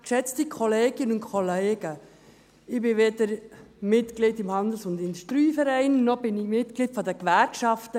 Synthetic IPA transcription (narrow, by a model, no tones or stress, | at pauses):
kʃɛt͡stikʰɔleːɡ̥ɪənʊntkʰɔleːɡ̥ə | ɪbɪʋed̪əɾmɪtklɪdɪmhɑnd̪l̩sʊnd̪ɪnʃtɾyːfɛɾɛɪnːɔb̥ɪnɪmɪtklitfɔd̪əkʋæɾkʃɑft̪ə